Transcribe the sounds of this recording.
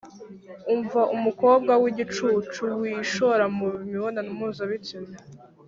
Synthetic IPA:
uɱvaʔumuko̞ːb̚ɡawiɟit͡ʃuːt͡ʃuwiːʃoɾamumiβonanumuzaβit͡sime

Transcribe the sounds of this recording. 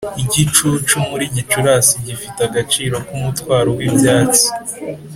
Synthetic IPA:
iɟit͡ʃut͡ʃumuɾiɲit͡ʃuɾasiɲɟifitaɡat͡ʃiːɾo̞kumutkwaːɾowibjaːt͡si̥

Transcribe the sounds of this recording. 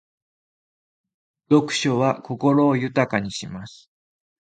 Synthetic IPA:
d̪̥o̞kɯ̟̥ɕo̞βako̞ko̞ɾo̞ːjɯ̟t̪akaɲ̟iɕimasɨ̥

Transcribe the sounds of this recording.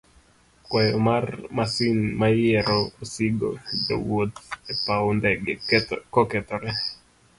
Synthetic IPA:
kwɛjɔmarmasinmajɛɾɔsiɡo̰d͡ʒo̰wot̪ɛpaɔndɛɡekɔkɛt̪ɔɾɛ

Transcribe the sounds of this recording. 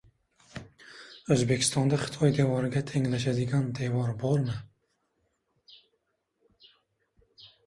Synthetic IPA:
ɵzbe̞kʲʰɪ̥st̪ɒnd̪aχɪ̥t̪ʰɒjd̪e̞vɒɾɪɡʲat̪ʰe̞ŋlaʃ̬ad̪ɪɡʲand̪e̞vɒɾbɒɾmɪ

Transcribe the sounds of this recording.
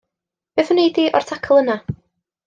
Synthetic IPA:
b̥eːθənejdiʔɔ̰r̥tʰakʰəlˠəna

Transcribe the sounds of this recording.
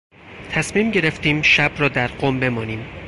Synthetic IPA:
t̪ʰæsmiːmɟe̞ɾe̞ft̪iːmʃæbrɒːd̪æɾɢoːmbe̞mɒːniːm

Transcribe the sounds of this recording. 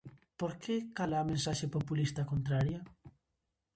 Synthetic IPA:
poɾkekalamẽnsaʃepopulist̪akont̪ɾaɾjɐ

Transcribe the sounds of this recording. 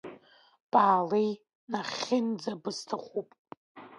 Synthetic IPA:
b̥aːlej | naχʲɪnd͡zabɨstʰaχʷupʼ

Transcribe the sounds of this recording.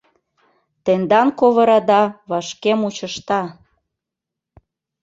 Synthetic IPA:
t̪end̪ɑnkoβə̆ɾɑd̪ɑβɑʃkemut͡ɕəʃt̪ɑ

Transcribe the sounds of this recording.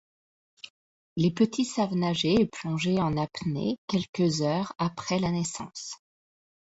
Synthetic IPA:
lepət̪ʰisavnaʒeːplɔ̃ʒeɑ̃napnḛkʲɛlkəzœːʁapχɛlanɛsɑ̰̃ːs

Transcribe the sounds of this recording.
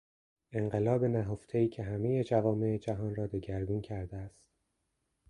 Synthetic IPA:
e̞ŋɢe̞lɒːbe̞næɦoft̪ʰeiːcʰe̞ɦæme̞je̞d͡ʒævɒːme̞ed͡ʒæɦɒːnrɒːd̪eɟæɾbiːncʰæɾd̪eæst̪

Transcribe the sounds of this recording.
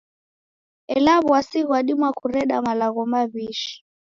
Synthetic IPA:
ɛlaβwasiɣwaɗimwakʰuɾɛɗamalaɣɔmaβiʃi̥

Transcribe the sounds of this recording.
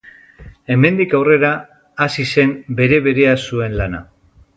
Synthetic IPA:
e̞me̞nd̪ikawre̞ɾaː | sise̞mbe̞ɾe̞βe̞ɾe̞asue̞nlana̰

